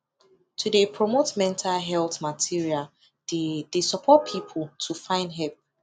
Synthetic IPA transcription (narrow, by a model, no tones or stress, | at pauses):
tʰudepʰɹɔmotmɛ̃ntʰalɦɛlˠθmatʰiɹial | dd̥esɔpʰɔt̚pʰipʰəl̩tʰufãɪ̃ndɦɛlp̚